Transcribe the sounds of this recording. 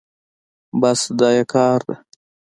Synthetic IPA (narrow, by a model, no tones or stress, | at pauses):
basd̪ɑjakɑːɾd̪a